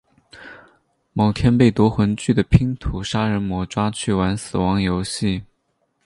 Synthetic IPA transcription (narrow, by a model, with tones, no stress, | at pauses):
mo˨˩ʊt̪ʰjɛ˥npe˥˩ɪt̪wɔ˧˥xwə˧˥nt͡ɕy˥˩d̪ə˩pʰi˥ŋt̪ʰu˨˩ʂa˥ɻə˧˥nmwɔ˧˥ʈ͡ʂwa˥t͡ɕʰy˥˩wa˧˥nsɹ̩˨˩wɑ˧˥ŋjo˧˥ʊɕi˥˩